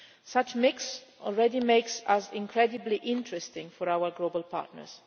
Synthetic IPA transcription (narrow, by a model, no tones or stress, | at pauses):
sʌt͡ʃmɪksʔɔ̰lˠɹɛdimeɪksasɪ̃ŋkʰɹɛdɨbliʔɪ̃ntɹɛstɪ̃ŋfɔɹawəɹɡloʊbəlˠpʰa̰ɹtnə̰ɹz̥